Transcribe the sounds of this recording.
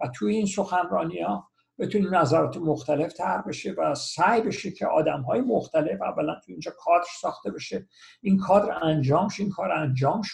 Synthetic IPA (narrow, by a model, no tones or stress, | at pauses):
væt̪ʰujeiːnso̞xænɾɒːniɒː | b̥et̪ʰuninæzæɾɒːt̪ʰemoxt̪ʰæle̞ft̪ʰæɾbe̞ʃivæsæjbe̞ʃicʰeʔɒ̰ːd̪æmɦɒːjemoxt̪æle̞fæ̰vːælænt̪ʰuind͡ʒɒːkʰɒːd̪ɾsɒːxt̪e̞be̞ʃe | inkʰɒːd̪ɾænd͡ʒɒːmʃinkʰɒːɾænd͡ʒɒːmʃ